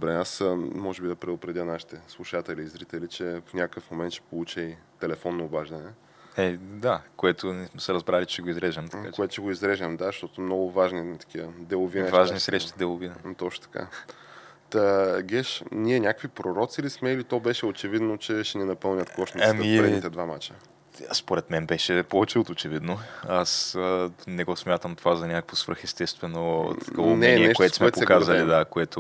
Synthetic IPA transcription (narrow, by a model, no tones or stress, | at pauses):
d̪obɾɛasmɔʒɛbid̪ɐpɾɛd̪ʊpɾɛd̪jənaʃi̥t̪ɛslˠuʃat̪ɛliːzɾit̪ɛlit͡ʃɛfnʲakkəfmomɛnt̪ʃɛ̥polˠut͡ʃəjt̪ɛlɛfɔnːoːbaʒd̪ɐnɛ | ɛd̪akoɛt̪ʊnismɛsɛɾɐzbɾalit͡ʃɛɡoizɾɛʒɐmt̪akooɛt̪ʊ̥t͡ʃɛɡoizɾɛʒɐmd̪aʃt̪ɔt̪omnoɡʊvaʒnit̪ɐ̥k̟iəd̪ɛlˠʊvinvʃaʒnisɾɛʃt̪id̪ɛlˠʊvint̪ɔt͡ʃno̥t̪ɐ̥ka̰ | t̪əɡʲɛʃnʲiɛnʲakəkvipɾoɾɔt̪silismɛilit̪ɔbɛʃɛot͡ʃɛvid̪not͡ʃɛʃɛnɛnɐpɤlˠnʲət̪kɔʃt̪amiɾɛd̪it̪ɛd̪vama̰t͡ʃə | spoɾɛt̪mɛnbɛʃɛpovɛt͡ʃɛot̪ot͡ʃɛvid̪noas | nɛɡɔsmʲjat̪əmt̪ovazɐnʲakə̥kvosvɾɤ̰xɛst̪ɛst̪vɛnot̪kamɛniɛɛʃkoɛt̪smɛɛpokazɐlid̪akoɛt̪ʊ